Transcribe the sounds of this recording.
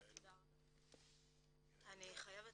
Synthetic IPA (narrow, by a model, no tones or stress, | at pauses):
da | aniχajave